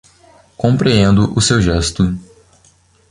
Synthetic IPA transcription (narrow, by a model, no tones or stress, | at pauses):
kõmpɾẽẽnd̪ʊʔʊsewʒɛst̪ʊ